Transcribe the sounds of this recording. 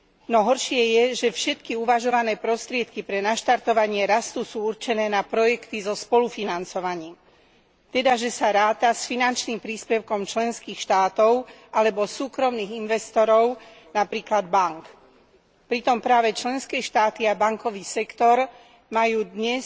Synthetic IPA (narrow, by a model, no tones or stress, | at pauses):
nɔɦɔɾʃɪɛjɛʒɛfʃɛt̪kiuʋaʒɔʋanɛːpɾɔst̪ɾɪɛt̪kipɾɛnaʃt̪aɾt̪ɔʋaɲɪɛɾast̪usuːuɾt͡ʃɛnɛːnapɾɔjɛkt̪izɔspɔlufinant͡sɔʋaɲiːm | t̪ɛd̪aʒɛsaɾaːt̪asfinant͡ʃniːmpɾiːspɛʊkɔmt͡ʃlɛnskiːxʃt̪aːt̪ɔʊʔalɛbɔsuːkɾɔmniːɣinʋɛst̪ɔɾɔʊ | napɾiːklad̪baŋk | pɾit̪ɔmpɾaːʋɛt͡ʃlɛnskɛːʃt̪aːt̪iabaŋkɔʋiːsɛkt̪ɔɾ | majuːd̪ɲɛ